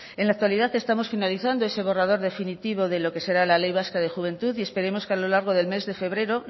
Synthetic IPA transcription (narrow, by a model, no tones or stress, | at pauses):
e̞nlak̚t̪waliðaθe̞st̪amo̞sfinaliθand̪oe̞se̞β̞o̞rað̞o̞ɾðe̞finit̪iβo̞ðe̞lo̞ke̞se̞ɾalale̞jβ̞askaðe̞xuβ̞ẽ̞nt̪uθie̞spe̞ɾe̞mo̞skealo̞laɾɣ̞o̞ðe̞lme̞zðe̞fe̞βɾe̞ɾo̞